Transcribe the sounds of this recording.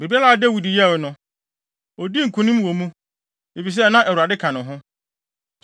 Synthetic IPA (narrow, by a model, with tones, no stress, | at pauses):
be˨bi˦a˦la˨a˨dɛ˦wu˨di˨jɛ˦˨nʊ̃˨ | ɔ˨di˦ŋ̩˨kʰũ˨nĩ˦mwo˨mũ˦ | e˨fi˨s̬ɛ˦˨nã˦ʔæ˨wu˨ɾa˨dɪ˦kʰã˨nʊ̃˨ɦʊ̃˦